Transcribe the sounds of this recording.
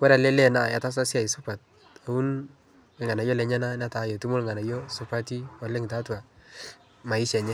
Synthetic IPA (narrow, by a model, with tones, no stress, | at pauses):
kwɛ˦ɾa˨lɛ˦lɛ˦˨na˨ja˨ta˦s̬a˦sja˨i˨sʊ˦pa˨t̚ | a˨u˦n | ɪ˨ŋa˨na˨jɔ˦lɛ˨ɲɛ˦na˦na˦ta˨˦jɔ˨tu˦mʊ˦lŋa˨na˨jɔ˦sʊ˦pa˦ti˦wa˨lɛ˦ŋɪ˨ta˦twa˨ | ma˨ɪ˦ʃɛ˨ɲɛ˦